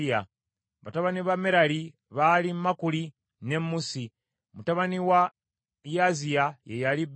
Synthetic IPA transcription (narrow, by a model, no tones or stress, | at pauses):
a | βataβaniβameɾali | βalimmakuli | ne̞mːusi | mutaβaniwa | jaziajejalib